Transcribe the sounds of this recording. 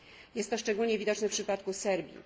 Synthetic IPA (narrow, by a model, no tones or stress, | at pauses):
jɛst̪ːɔʂt͡ʂɛɡulɲɛvʲid̪ɔt͡ʂnɛfpʂɘpat̪kusɛɾbʲjḭ